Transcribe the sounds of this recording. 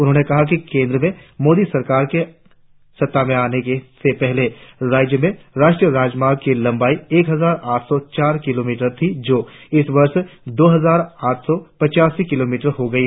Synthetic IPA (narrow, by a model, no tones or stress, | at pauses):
ʊnɦõːnekɐɦak̬ikẽːnd̪ɾəmẽmoːd̪isɐɾkaːɾke | sɐt̪ːamẽaːnekesepɛɦleɾaːd͡ʒjəmẽɾaːʃʈɾijəɾaːd͡ʒmaːɾɡ̚kilɐ̃mbaːieːkɦɐzaːɾaːʈʰsɔt͡ʃaːɾkɪloːmiːʈəɾt̪ʰid͡ʒoːɪsʋɐɾʃd̪oːɦɐzaːɾaːʈʰsɔpɐt͡ʃaːsikɪloːmiːʈəɾɦoɡɐiɦ